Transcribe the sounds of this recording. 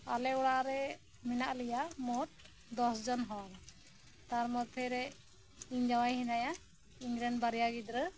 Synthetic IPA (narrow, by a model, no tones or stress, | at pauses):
alɛuɽaɾɛ | minaʔlɛjamɔt̚ | d̪ɔsd͡ʒɔnɦɔɾ | t̪aɾmɔt̪ʰɛɾɛ | iɲd͡ʒawajɦinaja | iɲɾɛnbaɾijaɡid̪ɾə